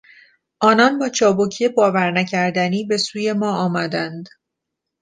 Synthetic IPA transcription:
ʔɒːnɒnbɒːt͡ʃʰɒːbocʰie̞bɒːvæɾnæcʰæɾd̪æniːbe̞suːje̞mɒːɒːmæd̪ænd̪

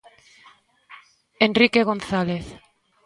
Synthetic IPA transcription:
enrikeɣonθaleθ

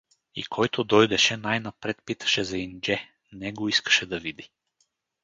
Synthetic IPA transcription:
ḭkʰɔjt̪ʰod̪ɔjd̪ɛʃɛnajnapɾɛt̪pit̪ɐ̥ʃɛzaind͡ʒɛ | nɛɡoiskɐ̥ʃɛd̪ɐvid̪i

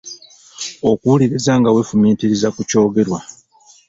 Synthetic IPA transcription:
o̞kuuliɾizaːŋɡawe̞fumiːtiɾizakuco̞ːɡe̞ɾwa

